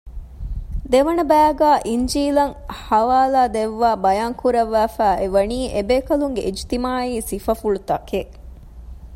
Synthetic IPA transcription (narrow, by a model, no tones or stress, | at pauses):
d̪eʋɐnɐbæːɡæːʔiɲd͡ʒiːlɐŋhɐʋaːlaːd̪eʋːaːbɐjaːŋkuɾɐʋːæːfæːeʋɐniːʔebeːkɐluŋɡḛʔid͡ʒt̪imaːiːsifɐfuɭut̪ɐke